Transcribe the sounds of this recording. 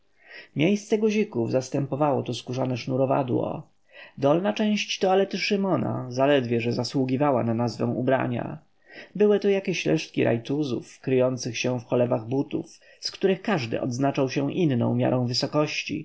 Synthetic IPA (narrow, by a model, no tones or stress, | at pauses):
mʲjejst̪sɛɡɔʑikuvzast̪ɛmpɔvawɔt̪uskuʐanɛʂnuɾɔva̰d̪wɔ̰ | d̪ɔlnat͡ʂɛ̃w̃ɕt͡ɕt̪ɔalɛt̪ɘʂɘmɔna̰zalɛd̪vʲjɛʐɛzaswuɡʲivawa̰nanazvɛ̃w̃ubɾa̰ɲa̰ | bɘwɘt̪ɔjakʲɛɕlɛ̰ʂt̪̚kʲiɾʔa̰jt̪uzṵfkɾɘjɔnt̪sɘxɕɛfxɔlɛvaɣbut̪ṵf | skt̪uɾɘxkaʐd̪ɘ̰ʔɔ̰d̪znat͡ʂawɕɛ̃ʔinːɔ̰̃w̃mʲja̰ɾɔ̃w̃vɘsɔkɔɕt͡ɕḭ